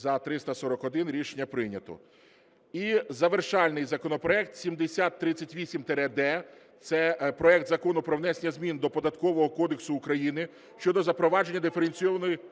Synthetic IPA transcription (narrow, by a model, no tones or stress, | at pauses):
zɐt̪ɾɪst̪ɐsɔɾɔkɔd̪ɪnɾʲiʃenʲːɐpɾɪnʲɐt̪ɔ̰ | izɐʋerʃɑlʲnɪjzɐkɔnɔpɾɔɛk̚t̪sʲimd̪esʲat̪ːɾɪt͡sʲːɐtʲʋʲisʲimt̪ɛɾɛd̪ɛ | t̪sɛpɾɔɛkt̪zɐkɔnʊpɾɔʋnɛsʲenʲɐzʲmʲind̪ɔpɔd̪ɐt̪kɔʋɔɦɔkɔd̪eksʊːkɾɐjinɪ | ʃt͡ʃɔd̪ɔzɐpɾɔʋɑd͡ʒe̞nʲːɐd̪ɪfeɾenʲt͡sʲijɔʋɐnɔji